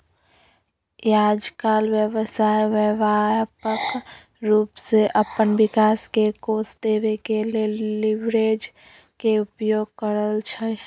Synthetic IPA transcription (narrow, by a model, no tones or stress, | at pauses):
jaːd͡ʒkalʋjəwəsaːjʋəʋajpək | ɾuːpseʔəpənbɪkaːskekosd̪eːʋekeleliʋɾed͡ʒ | keʊpjoːɡ̚kəɾəlt͡ʃʰə